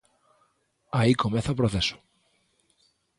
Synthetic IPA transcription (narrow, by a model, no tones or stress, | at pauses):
aikomeθaopɾoθeso̥